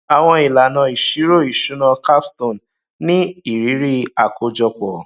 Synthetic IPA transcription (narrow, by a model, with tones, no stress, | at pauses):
a˨w̃ɔ̃˧i˨la˨nã˧i˨ʃi˨˦ɾo˦˨i˨ʃu˨˦nã˧ka˦ptõ˦˨n | nĩ˦i˨ɾi˨˦ɾi˦a˨ko˧d͡ʒɔ˧k͡pɔ˨